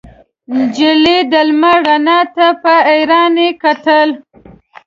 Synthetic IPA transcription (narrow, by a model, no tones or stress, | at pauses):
d͡ʒɪlid̪əlmaɽanɑt̪apəejɾɑnekat̪əl